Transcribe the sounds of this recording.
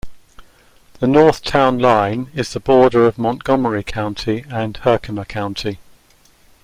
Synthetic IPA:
ðənɔˑθtʰãʊ̃nlãɪ̃nɪzðəbɔːdəɹəvmɒ̃nɡ̥ɒməɹikʰãʊ̃ntʰiə̃nhɜˑkʰəməkʰãʊ̃ntʰi

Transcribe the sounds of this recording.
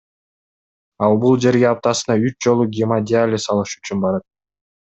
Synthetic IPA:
ɑlˠbulˠd͡ʒe̞ɾɡeɑp̚t̪ɑsɯnɑyt͡ʃd͡ʒo̞lˠuɡʲɪmadʲɪalʲɪsɑlˠɯʃyt͡ʃynbɑɾɑt̪̚

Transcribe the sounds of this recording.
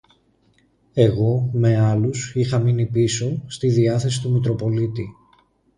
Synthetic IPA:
e̞ɣo̞me̞ɐlusixɐminipiso̞st̪iðiɐθe̞si̥t̪umit̪ɾo̞po̞lit̪i

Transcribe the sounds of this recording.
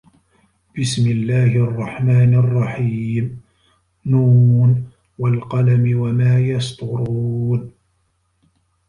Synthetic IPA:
b̥ɪsmɪlːaːhɪʔɑrˤːɑħmaːnɑrˤːɑħiːm | nuːn | walqɑlamɪwamaːjɑst̪ˤʊɾuːn

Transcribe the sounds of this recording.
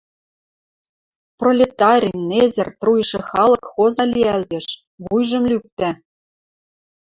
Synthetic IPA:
prolʲet̪ɑɾʲinezɘ̆rt̪rujʃĕxɑlˠɤ̆kxozɑlʲiæld̪eʃ | βujʒɤ̆mlyk̚t̪æ

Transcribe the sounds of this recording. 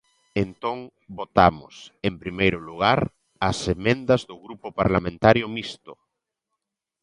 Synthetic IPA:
ent̪oŋ | bot̪amʊ̰sempɾimejɾʊluɣ̞aɾ | ɐsemẽnd̪ɐzðʊɣɾupʊpaɾlamẽnt̪aɾjʊmist̪ʊ

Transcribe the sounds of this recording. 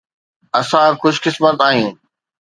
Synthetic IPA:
ɐsãkʊʃkɪsmət̪aːɦĩː

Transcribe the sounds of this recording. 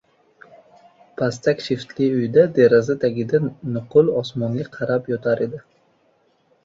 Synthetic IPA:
pʰast̪ʰakʲʃɪft̪lɪʊjd̪ad̪eɾazɪt̪ʰaɡʲɪd̪anʊqʊlɒsmɒnlʲɪqʰɑɾapjɒt̪ʰaɾʔed̪ɪ

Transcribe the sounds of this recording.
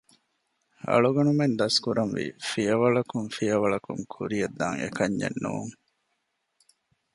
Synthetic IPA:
ɐ̰ɭuɡɐnumend̪ɐskuɾɐnʋḭfijɐʋɐɭɐkuŋfijɐʋɐɭɐkuŋkʰuɾijɐd̪ːaːŋḛkɐɲːḛnːṵːŋ

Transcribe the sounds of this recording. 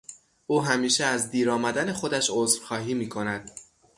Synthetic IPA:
ʔuːɦæmiːʃeæzd̪iːɾɒːmæd̪æne̞xo̞d̪æʃozfxɒːɦiːmiːkʰo̞næd̪̥

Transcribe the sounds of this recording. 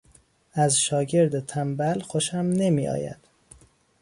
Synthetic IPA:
æzʃɒːɟe̞ɾd̪et̪ʰæmbælxoʃæmne̞miːɒ̰ːjæ̰d̪̥

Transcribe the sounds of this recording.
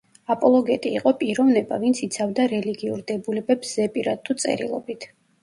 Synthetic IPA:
apʼɔlˠɔɡɛt̪ʼiːqʼɔpʼiɾɔvnɛba̰vint̪sʰit̪sʰavd̪aɾɛliɡiṵɾd̪ɛbulɛbɛpszɛpʼiɾad̪̚t̪ʰut̪sʼɛ̰ɾḭlˠɔ̰bit̪ʰ

